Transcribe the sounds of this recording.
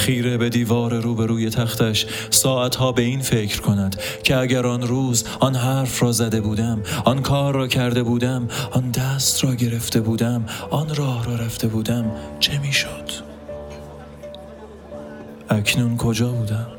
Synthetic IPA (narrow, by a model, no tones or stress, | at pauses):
xiːɾe̞be̞d̪iːvɒːɾeɾuːbe̞ɾuːje̞t̪ʰæxt̪æʃ | sɒːʔæt̪hɒːbe̞iːnfe̞cʰɾkʰo̞næd̪̥ | cʰeæɟæɾɒnɾuːz | ɒnɦæɾfɾɒːzæd̪e̞buːd̪æmɒnkʰɒːɾːɒːcʰæɾd̪e̞buːd̪æmɒnd̪æst̪rɒːɟe̞ɾe̞ft̪e̞buːd̪æmʔɒnɾɒːhɾɒːɾæft̪e̞buːd̪æmt͡ʃʰe̞miːʃod̪̥ | ʔæcʰnunkʰo̞d͡ʒɒːbuːd̪æm